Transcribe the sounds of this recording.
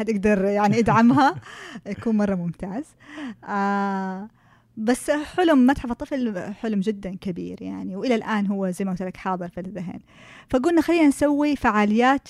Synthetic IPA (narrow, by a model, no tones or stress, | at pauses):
ad̪ʔaɡd̪ɑɾˤjaʕniʔad̪ʕamɦajakuːnmɑrˤːɑmʊmt̪aːz | ʔa | basːħʊlʊmːat̪ħɑfɑt̪ˤːɨflħʊlmd͡ʒɪd̪ːankabḭːɾja̰ʕniwʔɪlalʔaːnɦʊwːazajmaʔɡʊt̪lakħɑːðˤɨɾfilðaɦḛːn | faʔaɡuːlɪnːaxalːiːnansawːifaʕaːlɪjːaːt̪